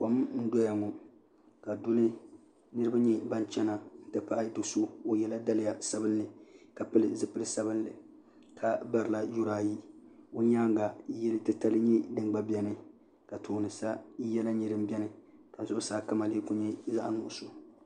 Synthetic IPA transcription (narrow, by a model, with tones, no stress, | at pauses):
ko˨m˦n̩˦dɔ˦ja˨ŋɔ˨ | ka˨dʊ˦lɨ˦ | nɨ˦ɾɨ˦ba˦ɲɛ˦ba˦nt͡ʃɛ˦na˨n̩˦tɨ˦pa˦ʔa˦do˨so˦o˨jɛ˨la˦da˦lɪ˨ja˨sa˦bɨ˦nːɨ˨ka˨pɨ˦lɨ˨zɨ˦pɨ˦lɨ˦sa˦bɨ˦n˦lɨ˨ | ka˨ba˨ɾɨ˨la˦ju˦ɾaː˨ji˦o˦ɲaː˦ŋ˦ɡa˨˦jɛ˦lɨ˦tɨ˦ta˦lɨ˦ɲɛ˦dɨ˨ŋɡ͡ba˦bjɛ˦nɨ˦ | ka˨tʰoː˨nɨ˨sa˦jɛ˦la˦ɲi˨ɾɨ˦m˦bɛ˦nɨ˨ka˨n̩˨zʊ˦saː˨˦ka˦ma˨liː˦kʊ˦ɲɛ˦za̰˦ʔnʊ˨ʔʊ˨so˨